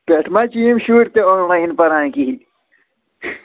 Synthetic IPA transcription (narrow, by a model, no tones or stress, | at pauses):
peʈʰmat͡ɕiimɕuːʈt̪eoːnlaːinpɐɾãːkiɦi